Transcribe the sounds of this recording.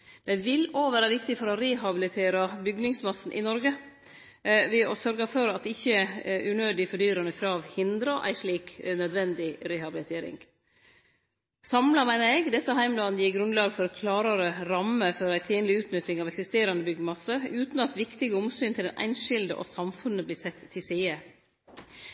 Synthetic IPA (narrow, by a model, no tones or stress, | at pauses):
d̪̥æɪʋɪloːʋæːɾəʋɪk̚t̪ɪfɔɾɔɾeɦɑbɪlɪt̪ʰeːɾɑbʏɡnɪŋsmɑsːn̩ʔɪ̰nɔɾɡə | ʋɪɔsœɾɡəfɔɾɑt̪ɪçːəʔʉnøːd̪ɪfɔɖyːɾɑnəkʰɾɑːʋhɪnd̪ɾɑʔæ̰ɪʂɭiːknœd̪ʋɛnd̪ɪɾɛhɑbɪlɪt̪ʰeːɾɪ̰ŋ | sɑmlɑmæɪnəɾɛɡd̪ɛsəɦæɪmlɑːnn̩jiːɡɾʉnlɑːɡfɔɾkʰlɑːɾɑɾəɾɑməfɔɾæɪt̪ʰiːnlɪʉːt̪nʏt̪ːɪŋɑːʋɛksɪst̪eːɾɑnəbʏɡəmɑsəʉːt̪n̩ɑt̪ʋɪkt̪ɪɡəʊmsyːnt̪ʰɪld̪ɛ̰nʔæ̰ɪnʂɪld̪ə̰ʔɔ̰sɑmfʉnəbliːsɛt̪ʰːɪsiːə